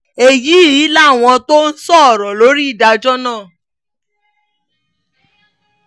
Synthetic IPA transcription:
e˨ji˨˦˨ji˨˦la˦˨w̃ɔ̃˧to˦n̩˦sɔ˦˨ɾɔ˨lo˨˦ɾi˦i˦˨da˧d͡ʒɔ˦nãː˦˨

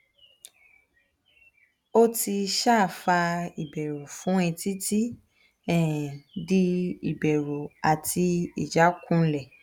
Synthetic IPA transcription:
o˦ti˧ʃa˦˨fa˧i˨bɛ˨ɾo˨fũ˨˦ɛ̃˧ti˦ti˦ | ɛ˨di˧i˨bɛ˨ɾo˨a˨tʰi˧i˨d͡ʒa˨˦kũ˦˧˦lɛ˨

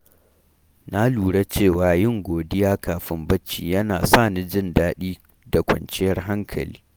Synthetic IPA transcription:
na˦luː˨ɽa˦t͡ʃeː˦˨waː˨jɪ˦ŋɡʷoː˨dɪ˦jaː˦kʰaː˨ɸɪ˦mbɐ˦t͡ʃːḭː˨jɐ˦naː˨saː˦˨ni˦d͡ʒɪ˦ndaː˦ɗiː˦ | da˨kʷɐ̰˨nt͡ʃɪ˦jɐ˦rɦa˦ŋkʰɐ̰˨lḭː˦

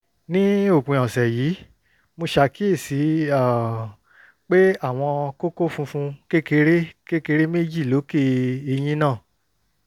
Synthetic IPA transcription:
nĩ˦o˦˨k͡pĩ˨ɔ̃˨sɛ˨jiː˨˦ | mo˧ʃa˧ki˦e˦˨si˨˦a˦˨ | k͡pe˦a˦˨w̃ɔ̃˧ko˦ko˦fũ˧fũ˧ke˦ke˧ɾe˦ke˦ke˧ɾe˦me˦d͡ʒi˦˨lo˨˦ke˦˧e˧j̃ĩ˦nãː˦˨

